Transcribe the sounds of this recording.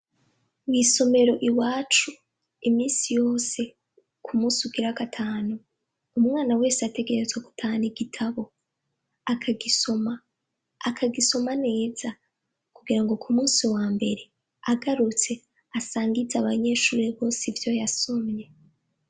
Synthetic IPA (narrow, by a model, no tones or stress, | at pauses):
wiso̞me̞ɾo̞ʔiwaːt͡ʃu | imiːnsijo̞ːse̞ | kʰumuːsiuɡiɾakatʰaːnuː | mŋaːnawe̞ːseate̞ɡe̞ɾe̞zweɡu̥tʰaniɡitʰaβo̞ | akʰaɡiso̞maː | kʰaɡiso̞mane̞ːza | kuɡiɾaŋɡo̞kʰumuːsiwaːmbe̞ɾe̞ | aɡaɾut͡se̞ | asaːŋɡizaβaɲe̞ːʃuːɾeβo̞ːsivjo̞jasomɲe̞